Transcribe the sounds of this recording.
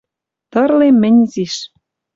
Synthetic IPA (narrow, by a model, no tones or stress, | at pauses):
t̪ɤ̆rlemːɘ̆nʲziʃ